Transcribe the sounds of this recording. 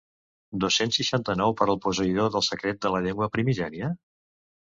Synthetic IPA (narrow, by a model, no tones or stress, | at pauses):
d̪osensːiʃant̪ənɔwpəɾəlˠpusəiðoðəlˠsəkɾet̪̚d̪ələʎeŋɡwəpɾimiʒɛɾiə